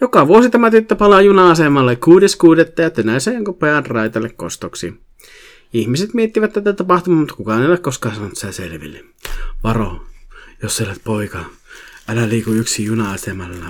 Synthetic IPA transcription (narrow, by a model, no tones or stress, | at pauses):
jokɑʋuosit̪æmæt̪yt̪ːøpɑlɑjunɑɑsemɑlːekkuːdeskuːdet̪ːɑjɑt̪ːønæˑisejoŋkopojɑnrɑˑit̪ɑlːekko̰st̪oksḭ | ihmiset̪miet̪ːiʋæt̪t̪ːæt̪æt̪ɑpɑht̪umɑmut̪ːɑkukɑneolekkoskɑːnsɑnonut̪sæsḛlʋḭlːi | ʋɑro̰josːelæt̪̚poikɑ | ælæliːkuyksijunɑɑsemɑlːɑ